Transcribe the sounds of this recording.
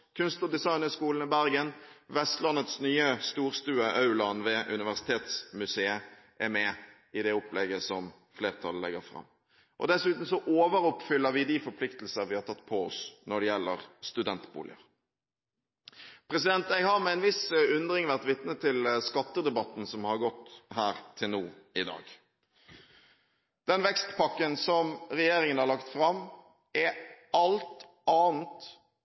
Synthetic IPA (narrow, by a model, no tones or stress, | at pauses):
kʰʉnst̪ɔd̪ɪsɑɪnəskuːln̩ɪbæɾɡənʋɛst̪lɑnːət̪snyːəst̪uːɾst̪ʉːəʔɑʉlɑnʋɛʔʉnɪʋæʁsɪ̥t̪ʰeːt̪smʉseːə | ʔɛɾmɛ | ɪd̪ɛɔplɛɡəsɔm | fleːʁt̪ʰɑllɛ̰ɡəɾfʁɑ̰mː | ʔɔ̰d̪ɛsʉːt̪n̩sɔʔoːʋəɾʊpfʏlːəɾʋɪd̪ifɔɾpʰlɪkt̪l̩səɾʋɪhɑɾt̪ʰɑt̪ːpʰɔɔ̰snɔɖɛjɛlːəʁst̪ʉd̪ɛnt̪bṵːlɪ̰ə̰ɾ | pʰɾɛsɪd̪ɛnt̪̚æɪhɑɾmɛɪnʋɪsʉnd̪ɾɪŋʋæʁt̪ʋɪt̪nət̪ʰːɪlskɑt̪ːəd̪ɛbɑt̪ːn̩sɔmhɑɾɡɔt̪ːhæːɾt̪ʰɪlnuːɪd̪ɑ̰ːɡ | d̪̥ɛnʋɛkst̪pʰɑkːənsɔmɾɛjeːɾɪŋənhɑɾlɑkt̪fɾɑm | ɛɑlt̪ | ɑːn̩t̪